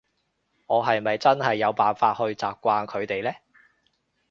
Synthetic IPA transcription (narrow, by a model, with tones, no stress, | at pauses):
ŋɔː˨˧ɦɐ˨jmɐ˨jt͡sɐ˥nɦɐ˨jːɐ˨˧wpaː˨˩nfaː˧t̚hɵ˧ɥt͡saː˨p̚kʷaː˧nkʰɵ˨˧ɥt̪e˨jlɛː˥